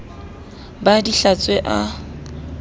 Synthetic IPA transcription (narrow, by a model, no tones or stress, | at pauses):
badiɬat͡sʼweʔa